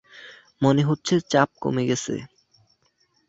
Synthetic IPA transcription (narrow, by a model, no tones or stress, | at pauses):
moneɦot̪ːɕʰet͡ɕap̚ko̰meɡɛsʰḛ